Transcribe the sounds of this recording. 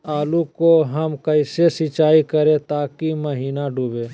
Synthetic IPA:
aːlukoɦɐmkəɪsesɪt͡ʃaːikəɾẽt̪aːkiməɦiːnaɖʱuːbe

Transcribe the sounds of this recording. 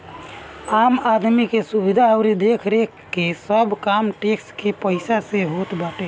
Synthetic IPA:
aːmad̪mikesubid̪ʱaəʊɾid̪ekʰɾe | kesəbʱkaːmʈekskepəɪsaseɦoːt̪baːʈe

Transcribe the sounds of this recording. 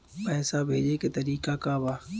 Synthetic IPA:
pɛːsaːbʱeːd͡ʒeːket̪ɐɾiːkaːkaːbaː

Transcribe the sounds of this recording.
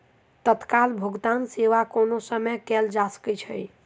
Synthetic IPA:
t̪ət̪kalbʱəɡt̪anseʋakonosəməjkɛld͡ʒasə̥kɛt͡ʃʰəj

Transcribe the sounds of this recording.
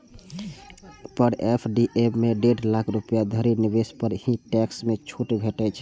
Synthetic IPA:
pəɾepʰɖiʔebmeɖeɖlakʰɾupjad̪ʱəɾinibespəɾhĩʈɛksmet͡ʃʰuʈbʱeʈɛt͡ʃʰ

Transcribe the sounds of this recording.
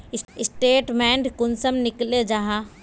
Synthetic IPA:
ɪsɪsʈeːʈmɛ̃ːɳɖkʊnsəmnɪkled͡ʑaːɦa

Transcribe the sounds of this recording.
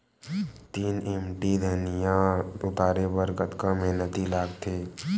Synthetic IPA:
t̪iːnemʈid̪ʱeɦnijãʊt̪aːɾebəɾɡət̪kamɛɦnət̪ilaːɡt̪ʰeː

